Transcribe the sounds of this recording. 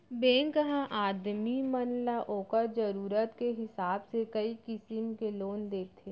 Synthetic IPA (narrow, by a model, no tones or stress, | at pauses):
bẽːŋkəɦãʔaːd̪mimənlaʔoːkəɾd͡ʒəɾuːɾət̪keɦɪsaːbsekɐikɪsɪmkeloːnd̪eːk̚ʰt̪ʰe